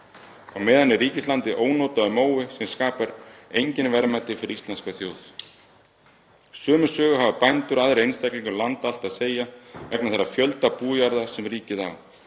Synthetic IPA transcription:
awmɛːðanːɪriːcɪslant̪ɪʔoːwnoːt̪aʏmoːwɪsɛmskaːpaɾejɲcɪnvɛɾmat̪ɪfɪɾist̪lɛnskaθjoːwθ | sœːmʏsœːɣʏɦavapajnt̪ʏɾaðɾejnst̪akliŋkʏlant̪al̥t̪aðseːjavɛknaθɛɾːafjœlt̪apuːjaɾðḁsɛmriːcɪða̰w

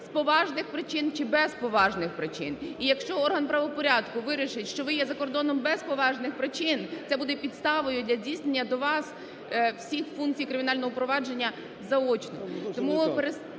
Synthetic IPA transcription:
spɔʋɑʒnɪxpɾɪt͡ʃɪnt͡ʃɪbɛspɔʋɑʒnɪxpɾɪt͡ʃɪ̰nijɐkʃt͡ʃɔɔrɦɐnpɾɐʋɔpɔɾʲad̪kʊʋɪɾʲiʃɪtʲʃt͡ʃɔʋɪjɛzɐkɔrd̪ɔnɔmbɛspɔʋɑʒnɪxpɾɪt͡ʃɪnt̪sɛbud̪ɛpʲid̪st̪ɑʋɔjʊd̪ʲlʲɐdʲijsnenʲːɐd̪ɔʋɑs | w̥sʲixfunk̚t͡sʲijkɾɪmʲiɪnɑlʲnɔɦɔpɾɔʋɑd͡ʒe̞nʲːɐ | zɐɔt͡ʃnɔ̰t̪ɔmupeɾes

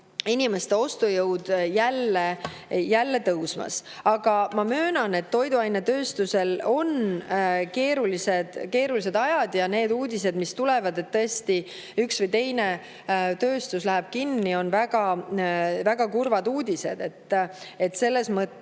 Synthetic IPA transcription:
inʲime̞st̪e̞o̞st̪ujɤwd̪̥jælːejælːe̞t̪ɤwsmɑ̰s | ɑɡ̥ɑmɑmøːnɑne̞t̪ːo̞jd̪uɑjnet̪ø̞ːst̪use̞lo̞n | ke̞ːɾulise̞d̪̥ke̞ːɾulis̬e̞d̪ɑjɑd̪jɑne̞ːd̪uːd̪is̬e̞d̪mist̪ule̞vɑd̪e̞t̪ːɤest̪i | yksvɤjt̪e̞jne | t̪ø̞ːst̪uslæɦeb̥kinːio̞nvæɡ̥ɑ | væɡ̥ɑkurvɑd̪uːd̪̥ʲise̞d̪̥e̞t̪ːˑe̞t̪se̞lːe̞smɤt̪ː

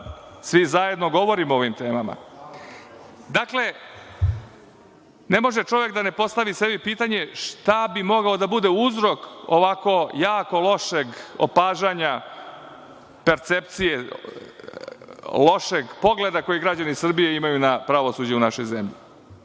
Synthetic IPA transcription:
sʋizaje̞d̪no̞ɡo̞ʋo̞ɾimooʋimt̪e̞ːmama̰ | d̪akle̞ | ne̞mo̞ʒet͡ʃo̞ʋe̞kd̪ane̞po̞st̪aʋise̞bipit̪aɲe̞ʂt̪abimo̞ɡaod̪abud̪e̞uzɾo̞ko̰ʋako̞jaːko̞lˠo̞ʃeɡo̰paːʒaɲa | peɾt̪sept̪sije | lo̞ʃeɡpo̞ɡled̪ako̞jiɡɾad͡ʑanisr̩bijeimajunapɾaʋo̞suːd͡ʑɛunaʃo̞jzemʎḭ

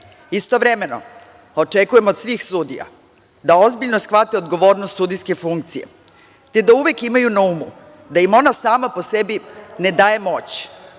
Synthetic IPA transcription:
ist̪o̞ʋɾe̞me̞no̞̰ | o̞t͡ʃe̞kuje̞mo̞d̪sʋiːxsud̪ḭja̰ | d̪ao̞zbiʎno̞sxʋat̪io̞d̪ɡo̞ʋo̞ːɾnost̪sud̪ijske̞fuŋk̚t̪sije̞̰ | t̪e̞d̪auʋekimajunaumu | d̪ajimo̞nasaːmapo̞se̞bine̞d̪aːje̞mo̞t͡ɕ

